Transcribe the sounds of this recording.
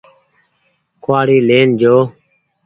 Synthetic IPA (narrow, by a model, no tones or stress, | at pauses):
kʰwaːɽiːleːnd͡ʒoː